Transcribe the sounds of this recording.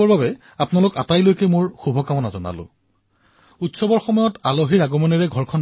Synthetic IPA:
ɔɹbabɛ | apnalʊkatajlojkɛmʊɹxubʱɔkamɔnazɔna̰lʊ̰̃ | utsɔbɔɹxɔmɔjɔtaloɦiɹaɡɔmɔniɹɛɡʱɔɹkʰɔn

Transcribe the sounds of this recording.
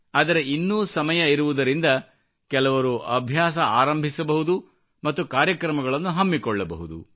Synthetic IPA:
aːd̪ɐɾeinːuːsɐmɐjɐiɾuʋud̪ɐɾind̪ɐ | kɛlɐʋɐɾuʔɐbʱjaːs̬ɐaːɾɐmbʱisɐbɐɦud̪u | mɐt̪ːukaːɾjɐkɾɐmɐɡɐɭɐnːuɦɐmːikɔɭːɐbɐɦud̪ṵ

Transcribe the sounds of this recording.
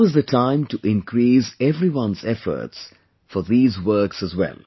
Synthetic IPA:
ʌzðətʰãɪ̃mtuʔɪ̃nkʰɾiːsɛvɾiwʌ̃nzɛfə̰˞ts | fɔðiːzwɜ˞ksəzwɛ̰lˠ

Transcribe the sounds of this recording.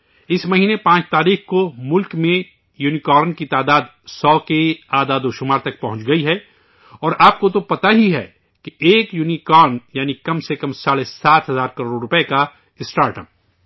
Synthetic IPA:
ɪsmɐɦiːnepãːt͡ʃt̪aːɾiːxkomʊlkmẽ | juːnikɔːɾnkit̪aːd̪aːd̪ | sɔːkeaːd̪aːd̪oʃʊmaːɾt̪ɐk̚pɐɦʊ̃nt͡ʃɡɐiɦɛ | ɔːɾʔaːp̚kot̪opɐt̪aɦiɦɛ̰ː | keʔeːkjuːnikɔːɾnjaːnikɐmsekɐmsaːɽesaːt̪ɦɐzaːɾkɐɾoːɖɾʊpeka | ɪsʈaːɾʈəp̚

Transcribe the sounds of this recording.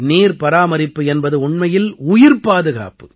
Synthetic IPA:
niːɾpɐɾaːmɐɾɪpːɯɛnbɐðɯʊɳmɐjɪlʊjɪɾpaːðɯɣa̰ːpɯ

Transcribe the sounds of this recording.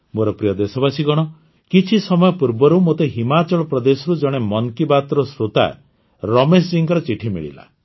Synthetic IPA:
moɾɔpɾijɔd̪esɔbasiɡɔɽ̃ɔ | kit͡ʃʰisɔmɔjɔpuɾbɔɾumot̪eɦimat͡ʃɔɭɔpɾɔd̪esɔɾud͡ʒɔɽ̃emɔnkibat̪ɾɔsɾut̪a̰ | ɾɔmes̬d͡ʒiŋkɔɾɔt͡ʃiʈʰimḭɭḭla̰

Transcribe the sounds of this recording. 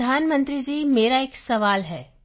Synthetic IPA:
aːnmə̃nt̪ɾid͡ʒiːmeːɾaeːksɐʋaːlɦɛː

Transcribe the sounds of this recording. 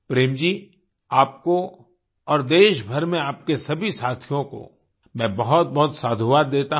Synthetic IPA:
pɾeːmd͡ʒiː | aːp̚ko | ɔːɾd̪eːʃbʱɐɾmẽaːp̚kesɐbʱisaːt̪ʰijõko̰ | mɛ̃ːbɐɦʊt̪̚bɐɦʊt̪saːd̪ʱuʋaːɾd̪eːt̪a

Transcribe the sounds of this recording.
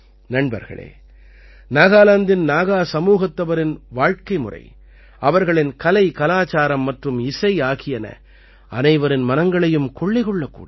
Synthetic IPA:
nɐɳbɐ̰ɾɣɐ̰ɭḛː | naːɣaːlɐnd̪ɪnnaːɣaːsɐmuːɣɐt̪ːɐʋɐɾɪnʋaːɻkɐɪmʊ̰rɐ̰ɪ | ɐʋɐɾɣɐɭɪnkɐlɐɪkɐlaːt͡ʃaːɾɐmːɐʈrɯmɪsɐɪaːɣɪjɐnɐ̰ | ɐnɐɪʋɐɾɪnmɐnɐŋɡɐɭɐjɯmkɔɭːɪɣɔɭːɐkːṵːɽ

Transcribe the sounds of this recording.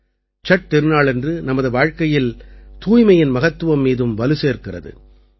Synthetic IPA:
t͡ʃɐʈ̚t̪ɛɾɯnaːɭɛndrɯnɐmɐðɯʋaːɻkɐjɪlt̪uːjmɐjɪnmɐɣɐt̪ːɯʋɐmːiːðɯmʋɐlɯseːrkɪrɐ̰ðɯ̰

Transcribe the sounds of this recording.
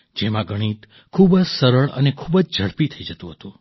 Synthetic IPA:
d͡ʒemãɡəɽ̃it̪ | kʰubsəɾəɭə̰nekʰubəd͡ʒd͡ʒʱəɽpit̪ʰəid͡ʒət̪ũɦət̪ũ

